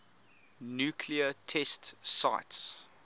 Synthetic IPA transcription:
njuːkʰliətʰɛstsa̰ɪts

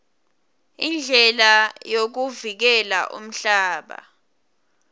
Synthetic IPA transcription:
ind͡ɮʱɛlajok̬uvik̬ɛla̰ʔṵm̩ɬaːɓa̰

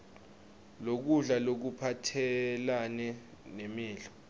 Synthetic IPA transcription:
lok̬uɮalok̬upʰatʰɛlanɛ | nemiːɮɔ

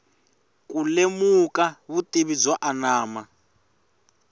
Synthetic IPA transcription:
kʼulemukaβutʼeβid͡zwaʔanaːma

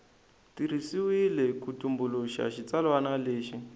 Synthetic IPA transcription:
tiɾ̤isiwilɛkutumbuluʃa̰ʃit͡salwanaleːʃi

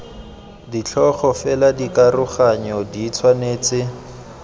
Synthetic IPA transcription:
dit͡ɬʰɔχɔfɛladikarʊχaɲɔdit͡sʰwaneːt͡sɪ

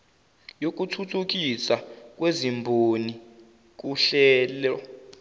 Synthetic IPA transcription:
jok̬ʼutʰutʰuk̬ʼisak̬ʼwezimbʱoni | k̬uɬɛːlɔ

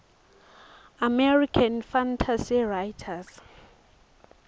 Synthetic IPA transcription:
amɛrikʰanfantʰasirajtʰas

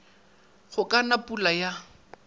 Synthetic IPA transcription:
χʊkʼanapulaja

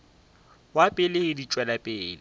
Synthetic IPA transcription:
wapʼɪlɪɪdit͡ʃʼwɛlapʼeːlɪ

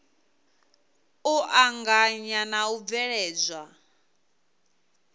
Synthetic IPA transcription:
uʔaŋɡaɲanaub̪vɛɺɛːd͡zʷwa

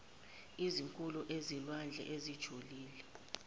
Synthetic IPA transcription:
iziŋkʼuluʔezilwand͡ɮʱɛ̰ʔezid̥ʒ̥ʱuliːlɛ

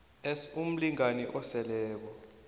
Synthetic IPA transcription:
ɛsum̩liŋaniʔɔsɛlɛːk̬ɔ

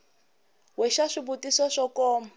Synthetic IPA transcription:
wɛʃaʂibutisɔʂɔkɔːm

